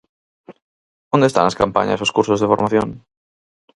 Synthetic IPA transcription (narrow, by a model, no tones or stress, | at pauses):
õnd̪est̪a̰naskampa̰ɲa̰soskuɾsozðefoɾmaθjoŋ